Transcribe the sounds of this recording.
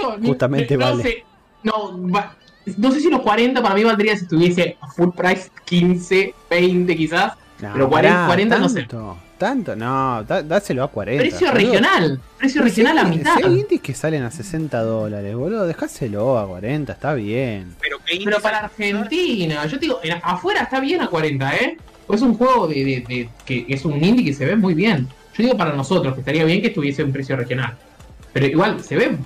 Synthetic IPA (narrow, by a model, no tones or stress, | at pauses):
t͡ʃomut̪amẽt̪eβalsse | noβa | nos̬es̬ilo̞hkwaɾe̞nt̪apaɾamiβald̪ɾiasiest̪uβjese̞afulpɾajskinseβejnt̪ekisas | eɾokwaɾewaɾent̪anoset̪ot̪ant̪onoːd̪ad̪aseloakwa̰ɾepɾesjorejo̞nalpɾesjorexjonalamit̪aðajind̪ikesalenasesent̪aðolaɾeβoloðexaseloakwa̰ɾent̪ae̥st̪aβjenpeɾopeɾopaɾaːɾxennt̪inaʒot̪eiɣoʔenaʔafweɾaest̪aβjenakwaɾent̪ae | poes̬uŋxweɣoðeðeðekeesunĩnd̪ikese̞βemujβje̞n | ʒoðiɣo̞paɾano̞so̞t̪ɾoskest̪aɾiaβjeŋkeht̪uβjeseumpɾesjorexjo̞nal | pe̞ɾoiɣwalse̞βe